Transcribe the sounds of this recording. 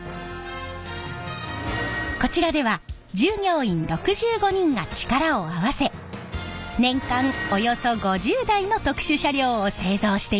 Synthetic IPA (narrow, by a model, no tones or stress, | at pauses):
ko̞t͡ɕiɾad̪e̞β̞a | d͡ʑɨːɲʲo̞ːĩnɾo̞kɯ̟ʑɨːɡo̞ɲ̟ĩŋɡat͡ɕi̥kaɾaoaβase̞ | nẽ̞ŋkãŋo̞jo̞so̞ɡo̞ʑɨːd̪aino̞t̪o̞kɯ̥ɕɨɕaɾʲo̞ːse̞ːzo̞ːɕi̥t̪e